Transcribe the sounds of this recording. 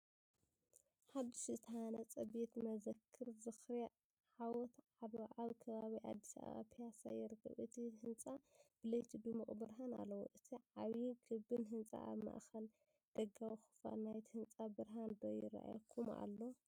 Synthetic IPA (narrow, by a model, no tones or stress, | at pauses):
ħad̪iʃzɨt̪ʰɐhanɐt͡sʼɐbet̪mɐzɐkʰːɨɾzɨxɾ | ʕawɔt̪ʕaβʕaβkʰɐβaβiʕa̰d̪ːi̥sa̰βa̰βa̰pʰijasa̰jɪɾɨkʰːɐ̰βʔɨt̪ʰihɨnt͡sʼab̥ɨlɐjt̪ʰid̪umuχʼbɨɾɦana̰lːɐwo̰ʔɨt̪ʰiʕaβiɡɨbːɨnɦɨnt͡sʼa̰ʔa̰βma̰ʔxɐl | d̪̥ɐɡawixɨ̥fa̰lnajt̪ʰihɨnt͡sʼabɨɾɦand̪ojɪ̰ɾa̰ʔa̰jkʰuma̰lːo